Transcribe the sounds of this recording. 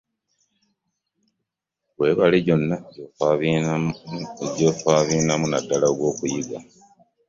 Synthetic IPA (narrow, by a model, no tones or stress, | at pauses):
βwe̞ːβaliɟo̞nːa | ɟofaβiːnamunadːalaoɡwo̞ːkujiɡa